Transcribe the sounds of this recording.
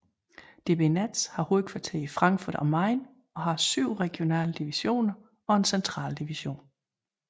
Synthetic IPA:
d̥e̝b̥e̝næd̥shɑ̈ho̝ːð̩ˠkʰʋɑ̈t͡sʰe̝ɐ̰ifʁɑ̈ŋɡfuɐ̰d̥ɒmɑ̈ɪ̰n | ɒ̽ɦɑ̈syʊ̰ʁɛɡ̥io̝nɛ̰ːləd̥iʋiɕo̝̰ːnɐ | ɒ̽e̝nsent͡sʰʁɑ̰̈ːld̥iʋiɕo̝̰ːn

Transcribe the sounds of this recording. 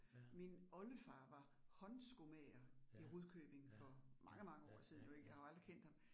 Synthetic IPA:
minɒ̽ləfɑ̈ːʋɑ̈ | hɒ̽nsɡ̥o̝mɛɐiʁuðˠkʰøːb̥e̝ŋfɒ̽mʔɑ̈ŋəmɑ̈ŋəɒ̰ːsiðˠn̩joe̝ɡ̥əjɑ̈hɑɑ̈ld̥ʁikʰen̰d̥hɑm

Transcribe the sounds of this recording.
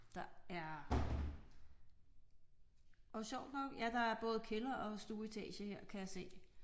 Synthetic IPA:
d̥ɑ̈æɐ | ɒɕɒʊ̰d̥nɒ̽ɡ̥jæd̥ɑ̈æɐb̥ɔ̽ːð̞̩ˠkʰe̝lɐʔɒ̽sd̥uːit͡sʰɛ̰ːɕəheɐ̰kʰæjɑse̝̰ː

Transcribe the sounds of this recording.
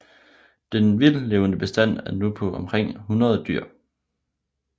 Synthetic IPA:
d̥enʋilleʊnəb̥e̝sd̥æn̰æɐnupʰɒ̽ʔɒ̽mkʰʁeŋ̰hunʁɐðˠd̥yɐ̰

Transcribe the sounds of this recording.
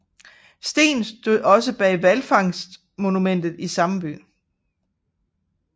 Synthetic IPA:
sd̥e̝̰ːnsd̥oðˠɒ̽səb̥ɛ̰ːʋælfɑ̈ŋsd̥ | mo̝numen̰d̥ð̞̩ˠisɑ̈mb̥y̰ː

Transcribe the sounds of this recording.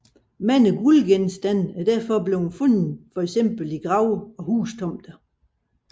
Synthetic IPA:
mæn̰əɡ̥ulɡ̥ensd̥æn̰æɐd̥æɐ̰fɒ̽ble̝ʊhunfɔn̰n̩fɒ̽eɡ̥sem̰b̥l̩iɡ̥ʁɑ̈ʊɒ̽huːst͡sʰɒ̽m̰d̥ɐ

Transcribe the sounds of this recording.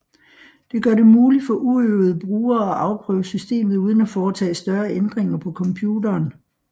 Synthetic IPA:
d̥e̝ɡ̥ɶɐɾe̝muːli̥fɒ̽ʔuøʊð̞̩ˠəb̥ʁuːɐɒʔɑ̈ʊpʰʁœ̰ːʊsysd̥e̝̰ːmð̩ˠuːð̞ˠən̩æfɒːt͡sʰɛ̰ːsd̥ɶɐend̥ʁeŋɐpʰɒ̽kʰɒ̽mpʰjuːdɐːn

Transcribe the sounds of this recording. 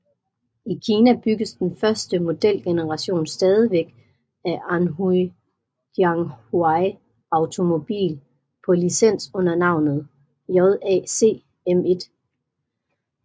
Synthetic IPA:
ikʰiːnæb̥yɡ̥əsd̥enfɶɐsd̥əmo̝d̥el̰ɡ̥e̝nəʁɑ̈ɕo̝̰ːnsd̥ɛːð̞ˠiʋeɡ̥ | æʔɑnɦu | d̥jɑŋhwɑɪ | ɑ̈ʊt͡sʰo̝mo̝b̥ḭːl | pʰɒ̽lisen̰sɔ̽n̰ɐnɑ̈ʊ̰nð̩ˠ | jɒðˠɛ̰ːse̝̰ː | eme̝d̥

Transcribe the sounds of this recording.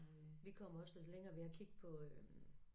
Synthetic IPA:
ʋikʰɒ̽m̰ɐɒ̽seleŋɐːʋeɐkʰiɡ̥̚pʰɒ̽ø

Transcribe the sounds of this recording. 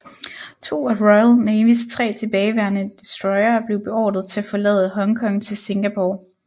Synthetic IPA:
t͡sʰo̝̰ːæʁɒɪlneːʋist͡sʰʁɛ̰ːt͡sʰe̝b̥ɛːɪʋæɐnəd̥isd̥ʁɒ̽ɪɐːb̥le̝ʊb̥e̝ɒ̰ːd̥ð̩ˠt͡sʰe̝æfɒ̽lɛ̰ːðˠəɦɒ̽ŋkʰɒ̽ŋnt͡sʰe̝lse̝ŋɡ̥æpʰo̰ː

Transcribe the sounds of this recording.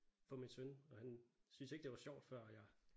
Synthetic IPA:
fɒ̽minsønɒ̽hænsynseɡ̥d̥eʋɑ̈ɕɒ̰ʊ̰d̥fɶɐ̰jɑ̈ɪ

